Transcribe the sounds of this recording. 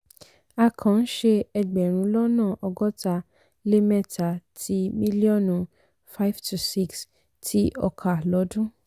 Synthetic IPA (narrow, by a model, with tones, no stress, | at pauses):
a˧kʰã˨n̩˦ʃe˧ɛ˧ɡ͡bɛ˨ɾ̃ũ˧˦lɔ˦nãː˦˨ʔɔ˧ɡɔ˦ta˧ | le˦mɛ˦˨tʰa˨tʰi˧mĩ˦li˦ɔ˦˨nũ˧ | fa˦i˦ftʰu˧si˦ks | tʰi˦ʔɔ˧kʰa˨lɔ˨˦dũ˦